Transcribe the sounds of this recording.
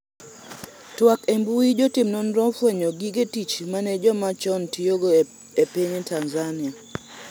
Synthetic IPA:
twakembuid͡ʒɔtɪmnɔnɾɔfweɲɔɡiɡetit͡ʃmanɛd͡ʒɔmat͡ʃɔntioɡo | epiɲetanzanɪa

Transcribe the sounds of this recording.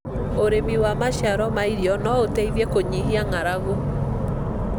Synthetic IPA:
oɾemiwamaɕaɾɔmaiɾiɔnɔotɛiðɛkoɲiɦiaŋaɾaɣo

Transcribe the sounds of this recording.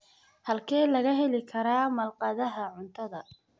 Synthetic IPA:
hɐlkʰɛːlɐɣɐɦɛlɪkʰɐɾaːmɐlqɑðɐɦɐʕʊnt̪ʰɐðɐ

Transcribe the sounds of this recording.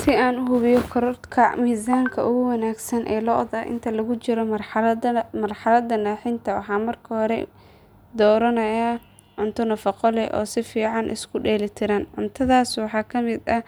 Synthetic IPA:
sɪaːnʊɦʊβɪjɔkʰɔɾɔrt̪kʰɐmiːsaːŋkʰɐʔʊɣʊwɐnaːɡsɐnʔɛ̰ːlɔʔd̪ɐ̰ʔɪ̰nt̪ʰɐlɐɣʊt͡ʃɪɾɔmɐ | mɐrħɑlɐd̪ɐnaːħɪnt̪ʰɐwɑ̰ħɑːmɐrkʰɐhɔɾɛ̰ | d̪ɔːɾɐnɐja | ʕʊnt̪ʰʊnɐfɐqɔlɛʔɔ̰ːsɪfiːʕɑnʔɪ̰skʰʊɖɛːlɪt̪ʰɪɾɐnʕʊnt̪ʰɐðaːswɑħɑːkʰɐmɪd̪ɐ

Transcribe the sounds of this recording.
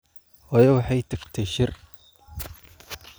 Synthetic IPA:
hɔːjɐwɑħɑjt̪ʰɐɡt̪ʰɛʃɪr

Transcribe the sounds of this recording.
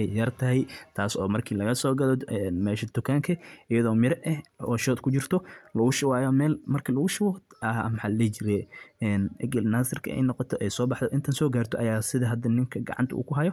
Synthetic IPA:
ɛjjɐrt̪ʰɐɦɛjt̪ʰaːsɔːmɐrkʰiːlɐɣɐsɔːɡɐlɔd̪ɛnmɛːʃɐd̪̥ʊkʰaːŋkʰɐʔɪjɐðɔːmɪɾɛʔɛhɔːʃɔːd̪kʰʊt͡ʃɪrt̪ʰɔlɐɣʊʃɪwaːjɔmɛːlmɐrkʰilɐɣʊʃɪwɔɐmħalɛt͡ʃɪɾɛɛːnɛ̰ɡɐlnaːsɪrkʰɐ̰ɛ̰jnɔqɔt̪ʰɔʔɛjsɔːbɑħðɔʔɪnt̪ʰɐnsɔːɡaːrt̪ʰɔʔɐjaːsɪðɐɦɐd̪ɐnɪŋkʰɐɡɑ̰ʕɑ̰nt̪ʰɐʔṵːkʰʊɦɐjɔ

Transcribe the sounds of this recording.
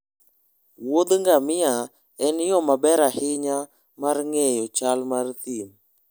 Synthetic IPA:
wod̪ŋɡamia | ɛnjɔmabɛɾahiɲa | maɾŋɛjɔt͡ʃalmart̪im

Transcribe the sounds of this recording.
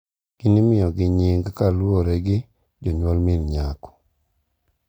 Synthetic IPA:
kinimɪjɔɡɪɲiŋɡkalwoɾɛɡɪ | d͡ʒɔɲwolmɪnɲakɔ̥

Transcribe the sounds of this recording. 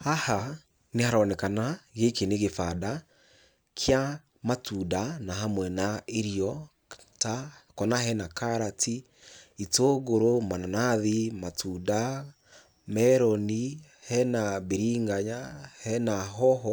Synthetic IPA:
aha | nehaɾanɛkanaɣekeneɣefada | kʰja | matudanaɦamwɛnaeɾiɔ | takɔnaɦɛnakaɾatʰi | itoːɣoɾomananaðimatʰuda | mɛɾɔni | hɛnaβeɾiŋɡaɲahɛnaɦɔɦɔ

